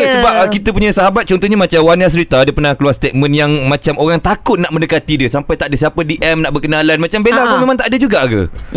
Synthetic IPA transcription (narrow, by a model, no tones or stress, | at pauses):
kesəbap̚kit̪əpuɲasaɦabat̪̚t͡ʃɔnt̪ɔɦɲamãt͡ʃawanas̬əɾit̪adapərnãkəluarst̪et̪̚mə̃njaŋmãt͡ʃamoɾaŋt̪akʊt̪̚naʔmə̃ndəkat̪idiəsampajt̪aʔdəsiapədiʔɛmnaʔbəkənalanmãt͡ʃambelakomẽmãŋt̪aʔdəd͡ʒuɡaʔɡə̰